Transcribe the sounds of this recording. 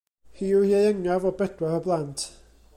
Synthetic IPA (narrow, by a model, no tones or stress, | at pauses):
hiːuhiejəŋjavɔbɛdwɛɾɔblˠantʰ